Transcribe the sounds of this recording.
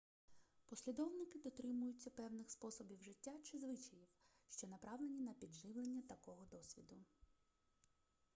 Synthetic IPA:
pɔsʲlʲid̪ɔwnɪkɪd̪ɔt̪ɾɪmʊjʊt͡sʲːɐpɛwnɪxspɔsɔbʲiwʒɪtʲːat͡ʃɪzʋɪt͡ʃɐjiw | ʃt͡ʃɔnɐpɾɑwlˠenʲinɐpʲid̪ʒɪʋlˠenʲːɐt̪ɐkɔɦɔd̪ɔsʲʋʲid̪ʊ

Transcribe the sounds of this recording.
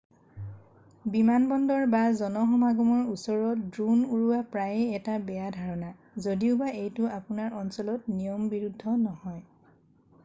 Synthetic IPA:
bimanbɔndɔɹbazɔnɔxɔmaɡɔmɔɹusɔɹɔt̚dɹunuɹuwapɹajɛɛtabɛjadʱaɹɔna | zodiʊbaʔejtʊapʊnaɹʔɔnsɔlɔtnijɔmbiɹudʱɔnɔhɔj

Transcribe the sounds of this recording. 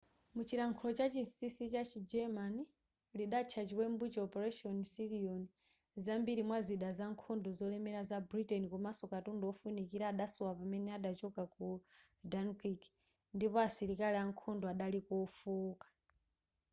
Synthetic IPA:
mut͡ʃiɾaŋkʰulɔt͡ʃat͡ʃisisit͡ʃat͡ʃʰid͡ʒɛmani | liɗat͡ʃʰat͡ʃiwɛmbut͡ʃɛɔpɛɾɛʃɔnsiɾiɔni | zambiɾimwaziɗazaŋkʰɔndɔzɔlɛmɛɾazabɾitɛnikɔmasɔkatundɔɔfunikiɾaːɗasɔwapamɛnɛaɗat͡ʃɔkaku | dankik | ndipɔasiɾikaliaŋkʰɔndɔaɗalikɔfuːkḁ

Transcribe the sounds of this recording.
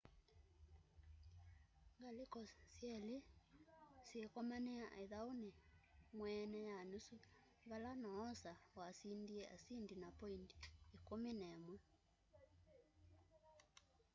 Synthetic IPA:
ŋɡalekɔsjɛle | sekɔmaneaʔeðaonemwɛnɛjanusu | ŋɡalanaːsawasindiɛa̰sindinapɔindi̥ːkomenɛmwɛ

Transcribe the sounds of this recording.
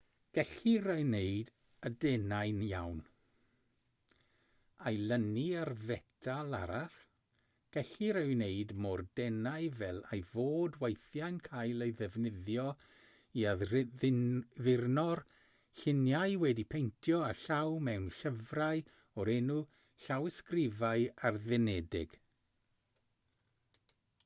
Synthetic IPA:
ɡ̥ɛɬiɾawnejd | ədɛnajnja̰wn | ajlˠəniarvɛtʰalˠa̰ɾaɬ | ɡ̥ɛɬiɾəwneɨdmordɛnaɨvɛlˠajvoːdwejθjajnkʰajlˠejðɛvnɪðjɔ | ia | ðɪrnɔr | ɬɪnjajwɛdipʰejntʰjɔaɬawmɛwnɬəvraj | ɔɾɛnu | ɬawɪskrɪvaɨarðɛnɛdɪɡ̥

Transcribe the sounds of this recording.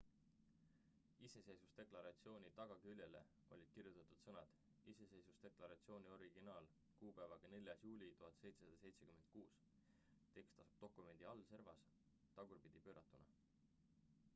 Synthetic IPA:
ise̞se̞jsust̪e̞klɑɾɑt̪sio̞ːnʲit̪ɑɡ̥ɑkylʲje̞le̞̰ | o̞̰lʲid̪̥̚kirjut̪ːˑɑt̪ud̪̥sɤnɑd̪̥ | ise̞se̞jsust̪e̞klɑɾɑt̪sio̞ːnio̞ɾiɡ̥inɑːl | kuːpæːvɑɡ̥ɑne̞lʲjɑsjuːlʲit̪uɦɑt̪ːse̞jt̪sesɑd̪̥ɑse̞jt̪se̞kyme̞nd̪̥̚kuːs | t̪e̞kst̪ɑsub̥t̪o̞kːˑume̞nd̪̥iɑlːse̞rvɑs | t̪ɑɡ̥urpid̪̥ipøːɾʔɑt̪ːˑunɑ̰

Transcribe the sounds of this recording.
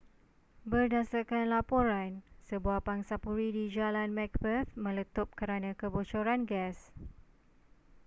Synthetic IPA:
bərdasakanlapoɾansəbuahpaŋsapuɾidid͡ʒalanmɛk̚bət̪mə̃lət̪ʊp̚kəɾanãkəbot͡ʃoɾanɡɛs

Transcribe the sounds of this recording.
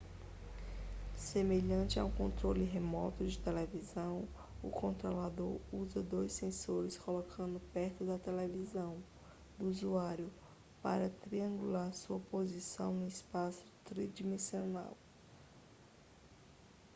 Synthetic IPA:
semeʎɐ̃nt͡ʃɪa̰w̃kõnt̪ɾolɪɦemɔ̰t̪ʊd͡ʒɪt̪elevizɐ̃w̃ | ʊ̰kõnt̪ɾolad̪oɾuzɐd̪ojsːẽsoɾɪskolokʰɐ̃nd̪ʊpɛɾt̪ʊd̪ɐt̪elevizɐ̃w̃ | d̪ʊuzuaɾjʊ | pa̰ɾɐt̪ɾiɐ̃ŋɡulaɾsuɐpozisɐ̃w̃nʊispasʊ̥t̪ɾid͡ʒimẽsiona̰w

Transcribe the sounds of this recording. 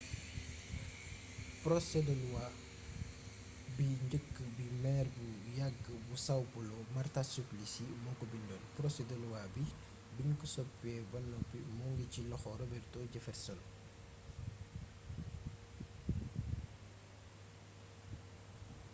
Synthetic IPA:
pɾɔsɛdəluwaː | biɲɟəkːəbimɛːrbujaɡːəbusawpulɔmɐrtasuplisimɔŋkɔbindɔnpɾɔsɛdəluwabi | binkusɔpːɛːbɐnːɔpimɔŋɡicilɔxɔɾɔbɛrtɔːɟɐfɛtsɔn

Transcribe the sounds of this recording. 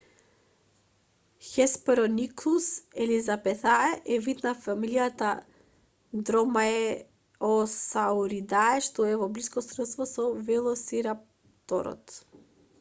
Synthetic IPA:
xɛspɛɾɔniklˠusɛlizabɛt̪aɛʔɛvit̪nafamilijat̪a | d̪ɾɔmaɛ | ɔsauɾid̪aɛʃt̪ɔɛvɔbliskɔsɾɛt̪st̪vɔsɔvɛlˠɔsiɾap̚ | t̪ɔ̰ɾɔ̰t̪

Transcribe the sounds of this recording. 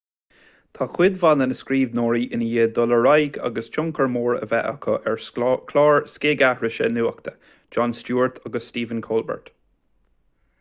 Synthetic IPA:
t̪ʰaːxwɪd̪vanənəskɾiːvnoːɹiʔɪnəjeːd̪ɔləɹajɡɑ̰ɡəst͡ʃʊŋkəɹmoːɹə̰vɛʔəkʰəʔɛɹkʰlɑːɹskeːɡaɹɪʃənuːəkt̪ʰə̥ | d͡ʒɔnstuːɹt̪ʰaɡəsːtiːvənkʰoːlbə̰ɹt̪

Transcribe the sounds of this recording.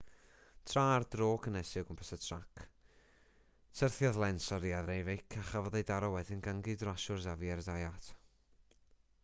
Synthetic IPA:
tʰrardroːkʰənɛsɪɡənpʰɛsatʰrakʰ | sʰərθjaðlˠɛnsɔɾiaðejvɪkʰaχavɔðejdaɾɔwɛðɪnɡaŋɡɨdraʃʊrzaviɛrdajatʰ

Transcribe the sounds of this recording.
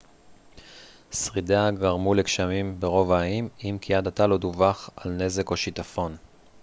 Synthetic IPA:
sʁideaɡaʁmulekʃamimbeʁo̞vaːimimkʰiadataloduvaχalne̞ze̞ko̞ʃitafo̞n

